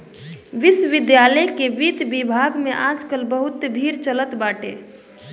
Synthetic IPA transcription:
ʋɪsʋɪd̪jaləjkeʋid̪bibʱaɡmeʔad͡ʒkəlbəɦut̪bʱiɾt͡ʃələt̪baːʈḛ

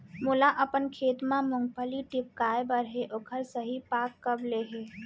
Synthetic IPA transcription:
mʊlaʔɐpənkʰeːt̪mãmʊ̃ŋɡ̚pəliʈɪp̚kaːebəɾɦeʔokʰəɾsəɦipaːkːɐbleɦeː

